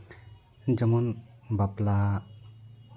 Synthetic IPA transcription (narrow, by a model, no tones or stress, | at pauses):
d͡ʒɔmɔnbapla